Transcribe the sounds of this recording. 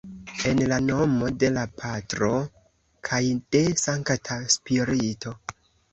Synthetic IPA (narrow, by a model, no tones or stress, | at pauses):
e̞nlano̞mo̞de̞lapʰatɾo̞ | kʰajd̥e̞saŋktʰaspiɾiitʰo̞